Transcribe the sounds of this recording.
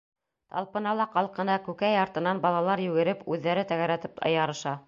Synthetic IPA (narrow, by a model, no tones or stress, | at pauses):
t̪ɑ̰lˠpɤ̆nɑlˠɑqɑlˠqɤ̆nɑkʉkæjɑɾt̪ɤ̆nɑnbɑlˠɑlˠɑɾjʉɡɘ̆ɾɘpʉðːæɾɘt̪æɣæɾæt̪ɘpɑ̰jɑɾɤ̆ʃɑ